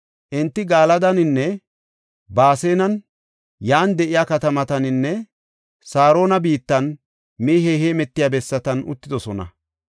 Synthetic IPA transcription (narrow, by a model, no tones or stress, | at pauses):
ʔɪnt̪ːɪɡaːlɐd̪ɐnɪnːɛ | baːse̞ːnɐn | jaːnd̪ɛʔɪjaːkɐt̪ɐmɐt̪ɐnɪnːɛ | saːɾo̞ːnɐbiːt̪ːɐn | miːɦeheːmɛt̪ːɪjaːbɛsːɐt̪ɐnʊ̰t̪ːɪd̪ɔsɔnɐ̰